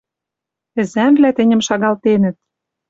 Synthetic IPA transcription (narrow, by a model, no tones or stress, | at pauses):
ɘ̆zæmvlæt̪ɘ̆nʲɘ̆mʃɑɣɑlt̪enə̆t̪̚